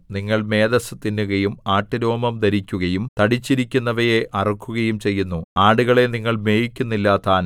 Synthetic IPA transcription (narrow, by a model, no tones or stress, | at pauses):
niŋːɐɭme̞ːd̪ɐsɨt̪ːinːuɣɐjumaːʈːiɾo̞ːmɐmd̪ɐɾikʲːuɣɐjumt̪ɐɽit͡ɕːiɾikʲːunːɐʋɐjeʔɐrɐkːuɣɐjumt͡ɕe̞jːunːuaːɽuɣɐɭe̞niŋːɐɭme̞ːjikʲːunːilːaːt̪ːaːn